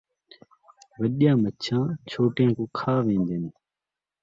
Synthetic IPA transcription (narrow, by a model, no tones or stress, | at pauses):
ʋəɗijãːmətːt͡ʃʰãːt͡ʃʰoːʈɪjãːkõːkʰaːʋẽːnd̪eːn